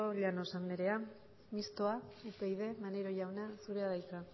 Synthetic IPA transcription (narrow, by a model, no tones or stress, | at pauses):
oʎanosambeɾe̞a | mist̪o̞aupe̞jðe̞maneɾo̞ʝawnasuɾe̞aðajt͡sa